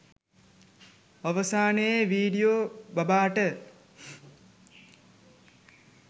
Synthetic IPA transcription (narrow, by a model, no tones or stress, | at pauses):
ɐʋəsaːnəjeʋiːɖijoːbɐbaːʈə